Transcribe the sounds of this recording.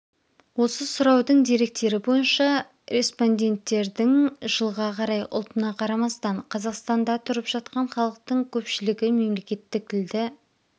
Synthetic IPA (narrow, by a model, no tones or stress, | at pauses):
wo̞səsʊɾɑwd̪əɴd̪iɾe̞k̚t̪e̞ɾɪbo̞jənʃɑ | ɾʲespo̞nd̪ʲe̞nt̪ːe̞ɾd̪ɪŋʒ̥əlˠʁɑqʰɑɾɑjʔʊ̰lˠt̪ənɑqʰɑɾɑmɑst̪ɑɴqʰɑzɑqst̪ɑnd̪ɑt̪ʰʊɾəpʒ̥ɑt̪̚qɑɴχɑlˠəq̚t̪əɴkʲʰɵpʃɪlɪɡʲɪme̞mle̞kʲe̞t̪ːɪk̚ʰɪld̪ɪ